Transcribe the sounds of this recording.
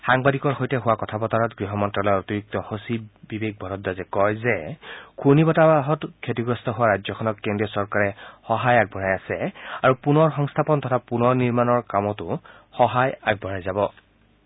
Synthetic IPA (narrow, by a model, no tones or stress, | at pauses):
xaŋbadikɔɹxojtɛɦʊwakɔtʰabɔtaɹɔtɡɹiɦɔmɔntɹalɔjotiɹuk̚tɔxosibibek̚bʱɔɹɔtdazɛkɔjzɛkʰunibɔtaɦɔtkʰetiɡɹɔstʰɔɦʊwaɹad͡ʒzɔkʰɔnɔtkendiɔsɔɹkaɹɛxɔɦajaɡ̚bʱɔɹajasɛaɹupunɔɹxɔŋstʰapɔntʰɔtʰapunɔɹniɹmanɔɹkamɔtʊ | xɔɦajaɡ̚bʱɔɹajzabɔ